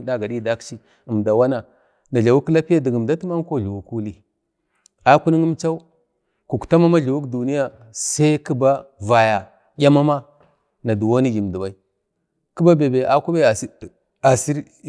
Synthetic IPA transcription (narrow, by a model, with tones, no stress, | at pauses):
da˦ɡa˨ɗi˦da˦kt͡ʃi˦ | i˨mda˨wa˦na˨ | na˨ɮa˨wu˦kla˦pi˦ja˦di˨ɡi˨m˨da˦tma˦ŋ˦ko˦ɮu˨wu˦ku˦li˦˨ | a˦ku˦ni˦ŋi˦mt͡ʃa˦u˦ | ku˨kta˦ma˦ma˦ɮu˨wu˦kdu˨ni˦ja˨ | sa˦i˦ki˦ba˦va˨ja˨ | jʲa˦ma˦ma˦ | na˨du˨wo˦ni˦ɡi˨m˨di˨ba˦i˦ | ki˦ba˦be˨be˨ʔa˨ku˦ba˦a˨si˦˨ | a˨si˦ɾ